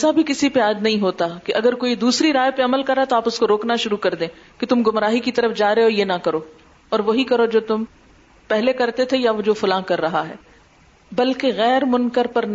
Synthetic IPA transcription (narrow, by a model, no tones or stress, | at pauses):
sabʱikɪsipeaːd͡ʒnɐɦĩɦoːt̪akeʔɐɡəɾkoːid̪uːsɾiɾaːjpeɐməlkɐɾːaɦɛt̪oaːpʊskoɾoːknaʃʊɾukɐɾd̪ẽːket̪ʊmɡʊmɾaːɦikit̪ɐɾəfd͡ʒaːɾeoːjenɐkɐɾoː | ɔːɾʋoɦikɐɾod͡ʒoːt̪ʊm | pɛɦlekɐɾt̪et̪ʰejaʋod͡ʒoːfʊlãːkɐɾːɐɦaɦɛ̰ː | bɐlkeɣɛːɾmʊnkəɾpɐɾn